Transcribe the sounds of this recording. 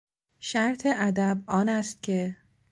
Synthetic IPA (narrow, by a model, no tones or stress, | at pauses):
ʃæɾt̪ʰeʔæd̪æbʔɒːnæst̪̚cʲʰe̞